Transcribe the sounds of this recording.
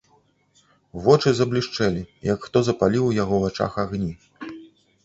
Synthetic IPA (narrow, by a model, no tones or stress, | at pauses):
vɔt͡ʂɨzɐblʲiʂt͡ʂɛlʲijɐkxt̪ɔzɐpalʲiwjaɣɔvat͡ʂa̰xaɣnʲi